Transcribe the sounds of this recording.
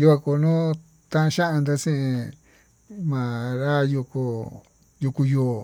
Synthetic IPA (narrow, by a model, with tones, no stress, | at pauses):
ju˧ka˧ko˧˨nũ˦ | t̪ã˦ʔã˧ʃa˦ʔã˧nd̪a˦sĩ˦ʔĩ˧ | mã˨ɾa˦ju˧ku˧ | ju˧ku˧joː˨